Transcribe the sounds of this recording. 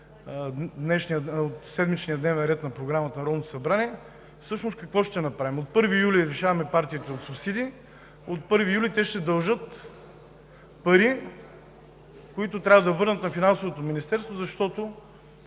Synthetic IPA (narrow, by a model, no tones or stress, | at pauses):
d̪nɛʃniəot̪sɛd̪mit͡ʃniəd̪nɛvɛnɾɛt̪nɐpɾoɡɾamɐt̪ɐnɐɾɔnot̪o̥sɐbɾaniɛ | fsɤʃnoʊskɐkvɔʃt̪ɛnɐpɾavimot̪̚pɤɾvijuliɾɛʃavɐmɛpaɾt̪iit̪ɛot̪sʊpsid̪i | ot̪̚pɤɾvijulʲit̪ɛʃt̪ɛd̪ɐlˠʒɤt̪ | pɐɾi | koit̪ʊt̪ɾʲavɐd̪ɐvɤɾnət̪nɐfinansovot̪ominist̪ɛɾst̪vozɐʃt̪ɔt̪o